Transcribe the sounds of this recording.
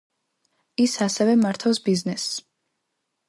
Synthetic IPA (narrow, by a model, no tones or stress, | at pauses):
isasɛvɛmaɾt̪ʰafsbiznɛs